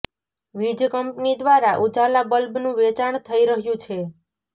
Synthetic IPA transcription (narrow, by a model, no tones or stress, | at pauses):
ʋid͡ʒkəmpnid̪ʋaɾaʔud͡ʒalabəlbnũʋet͡ʃaɳt̪ʰəiɾəɦjũt͡ʃʰe